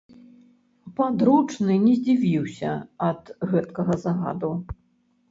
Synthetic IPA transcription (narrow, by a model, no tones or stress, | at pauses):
pad̪ɾut͡ʂnɨnʲɛzʲd͡zʲivʲiwsʲɐ̰ɐd̪ɣɛt̪kɐɣɐzaɣa̰d̪u